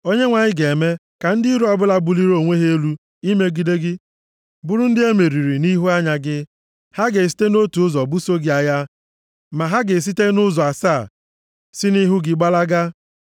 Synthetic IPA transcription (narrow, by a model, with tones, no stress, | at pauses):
o˦ɲe˦ŋʷa˨ɲɪ˦ɡe˨me˦ | ka˨n̩˦dɪ˦ɾu˦ɔ˦bʊ˦la˦bʊ˦li˦ɾo˦˨ŋʷe˦ɦe˦e˦lu˦ | i˦me˦ɡi˦de˦ɡɪ˦ | bʊ˦ɾʊ˦n̩˦dɪ˦e˦me˨ɾi˨ɾi˨ni˦ɦu˦a˦ɲa˨ɡɪ˦ | ha˦ɡe˨s̬i̥˦te˦no˦tu˨ʊ˦zɔ˨bu˦so˦ɡɪ˨˦a˨ja˦ | ma˨ɦa˦ɡe˨s̬i˦te˦nʊ˦zɔ˨a˨saː˦˨ | sɪ˦ni˦ɦʊ˦ɡɪ˦ɡ͡ba˦la˦ɡa˦